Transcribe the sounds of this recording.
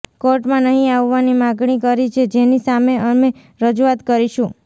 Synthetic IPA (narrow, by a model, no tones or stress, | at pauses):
koɾʈmãnəɦĩaʋːanimãɡɳikəɾit͡ʃʰed͡ʒenisameʔəme | ɾəd͡ʒuat̪kəɾiʃũ